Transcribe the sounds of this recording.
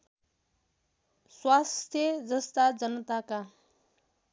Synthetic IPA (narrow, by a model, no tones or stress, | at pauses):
swast̪ʰjəd͡zəst̪ad͡zənət̪aka